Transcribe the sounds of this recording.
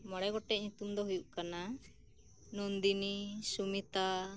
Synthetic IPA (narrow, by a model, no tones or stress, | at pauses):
mɔɽɛɡɔʈːɛʔɲut̪umd̪ɔɦujuʔkana | nɔnd̪inisumit̪a